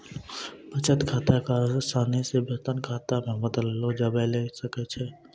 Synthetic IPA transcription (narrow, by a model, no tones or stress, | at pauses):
bət͡ʃət̪kʰaːt̪akaɾsaːnisebət̪ənkʰaːt̪amẽbəd̪əlːod͡ʒabɛlesəkɛt͡ʃʰɛ